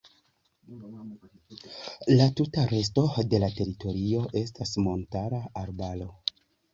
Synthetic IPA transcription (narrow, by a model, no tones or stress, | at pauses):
latutaɾe̞s̬to̞de̞late̞ɾito̞ɾio̞ʔe̞s̬tasmo̞ntaɾaːɾbalo̞